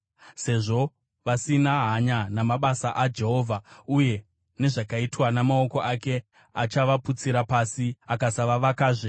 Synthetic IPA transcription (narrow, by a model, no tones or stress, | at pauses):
se̞ʐo̞ | ʋasinaɦaɲanamaɓasaʔad͡ʒe̞ɦo̞ːvʱauje̞ | ne̞ʐakaitwanamao̞ko̞ʔake̞ | at͡ʃaʋaput͡siɾapasiakasaʋaʋakaːʐe